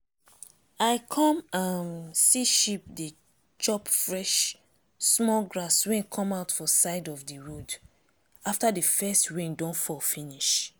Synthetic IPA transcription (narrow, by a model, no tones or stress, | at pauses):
aɪkʰɔ̃mãnsiʃip̚di | t͡ʃɔpfɹɛʃ | smɔlɡɹaswɛ̃nkʰɔ̃maʊtfɔsaɪdɔvdəɹud | aftadəfɛstɹĩndɔ̃nfɔlfĩniʃ